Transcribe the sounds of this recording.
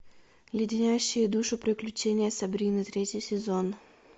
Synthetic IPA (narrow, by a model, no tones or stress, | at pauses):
jʲɪdʲɪnʲæjɕːɪjɪd̪uʂʊpɾʲɪklʲʉt͡ɕenʲɪjəsʲɐbɾʲinɨt̪ɾʲetʲɪjsʲɪzon